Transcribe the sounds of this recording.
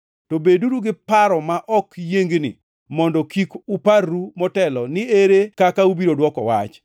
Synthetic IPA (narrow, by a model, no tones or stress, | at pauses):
tobeduɾuɡɪpaɾɔmaʔɔkjeŋɡnɪ̰ | mɔndɔkikuparːumɔtɛlɔnɪeɾekakaubiɾodwɔkɔwa̰t͡ʃ